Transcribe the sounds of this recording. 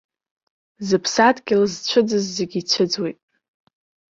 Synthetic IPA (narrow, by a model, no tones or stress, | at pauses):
zɨpʰsadɡʲɪlzt͡ɕʷʰɨd͡zɨzːeɡʲit͡ɕʷʰɨd͡zwejtʼ